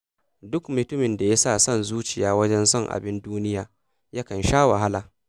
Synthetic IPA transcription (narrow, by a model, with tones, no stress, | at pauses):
dʊ˦kmʊ˨tʊ˦mɪ˨nda˨ja˦saː˦˨sɔ˦nzuː˦t͡ʃɪ˨jaː˦wɐ˦d͡ʒɛ˦nsɔ˦ŋʔa̰˨bɪ˦nduː˦nɪ˦jaː˨ | ja˦kɐ˨nʃaː˦wa˨ɦa˦laː˨